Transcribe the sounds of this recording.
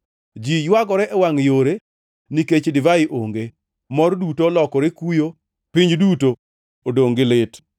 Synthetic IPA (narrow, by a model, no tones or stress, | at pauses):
d͡ʒijwaɡɔɾɛʔɛwaŋjoɾe | niket͡ʃdɪvaɪʔoŋɡe | mɔrdutolɔkɔɾɪkujo | piɲd͡ʒduto | odoŋɡɪlɪt